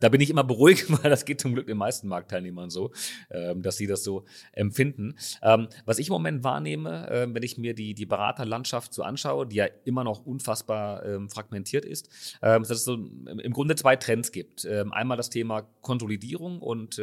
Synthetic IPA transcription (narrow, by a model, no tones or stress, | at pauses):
d̥aːbɪnɪçʔɪmɐbəʁuɪktv̥aɪldasɡ̥eːt̚t͡sʊmɡlʏk̚d̥eːnmaɪstn̩maɐk̚tʰːaɪlneːmɐnzoːʔɛːmd̥asz̥iːdasz̥oːʔɛmfɪndn̩ʔɛːmvasɪçɪmomɛntv̥a̰ːɐneːməʔɛ̰ːmvɛnɪçmiːɐdiːdiːbəʁa̰ːtɐlantʃaftz̥oːʔa̰nʃaʊədiːjaːʔɪmɐnɔχʔʊnfasb̥aːɐʔɛːmfʁ̥aɡmɛntʰiːɐtɪ̰stʔɛːmdasɛsz̥oːʔɪmɡʁʊndət͡sv̥aɪtʁ̥ɛnsɡ̥iːp̚tʔɛːmʔa̰ɪnmaːldastʰeːmakʰɔnzolidiːʁ̞ʊŋʔʊ̰nt